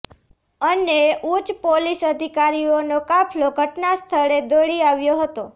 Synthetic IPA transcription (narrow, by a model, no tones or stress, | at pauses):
əneut͡ʃpolisəd̪ʱikaɾionokapʰloɡʱəʈnast̪ʰəɽed̪oɽiaʋjoɦət̪o